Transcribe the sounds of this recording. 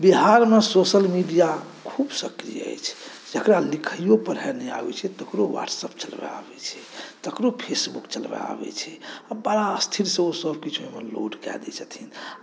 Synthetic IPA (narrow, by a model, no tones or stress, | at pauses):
biɦaɾmesosəlmiɖija | kʰubsəkɾḭjə̰jt͡ʃʰ | d͡ʒəkɾalikʰəjopəɾɦɛnɛa̰bɛ̰t͡ʃʰɛt̪əkɾowa̰ʈsəp̚t͡ʃəlbɛ̰a̰bɛ̰t͡ʃʰɛt̪əkɾopʰesbukt͡ʃəlbɛ̰a̰bɛ̰t͡ʃʰɛabəɽaəst̪ʰiɾsẽosəbʱkit͡ʃʰmemḛlo̰ɖkɛ̰d̪ɛ̰t͡ʃʰət̪ʰin